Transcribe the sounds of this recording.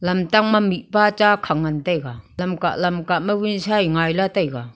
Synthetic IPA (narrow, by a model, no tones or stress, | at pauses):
lɐmtaŋmamit̚pat͡ʃakʰaŋantajkalamka̰ʔlamkaʔmawinsajŋajlatajka